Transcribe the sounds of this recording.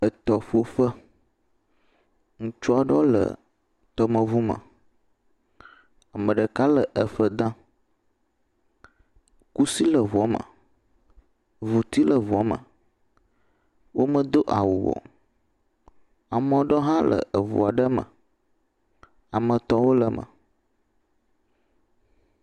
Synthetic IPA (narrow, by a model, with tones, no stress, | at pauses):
ə˨t̪ɔ˨fo˦fə˦ | ŋũ˦t͡ʃu˦a˨ɖɔ˦lə̰˨ | t̪ɔ˦mə̃˨vu˦mə̰̃˨ | a˨mə̃˨ɖə˨ka˦lə˨ʔə˨fə˦d̪ã˦ | ku˦si˦lə˨vɔ˨˦mə̰̃˨ | vo˨t̪i˦lə˨vɔ˨˦mə̰̃˨ | wʔo˦mə̃˦d̪o˦ʔa˨wu˨wɔ̰˨ | a˨mɔ̃˨ɖɔ˦ɦã˦lə̰˨ʔə˨vṵ˨a˨ɖə˦mə̰̃˨ | a˨mə̃˨t̪ɔ˦wo˦lə˨mʔə̰˨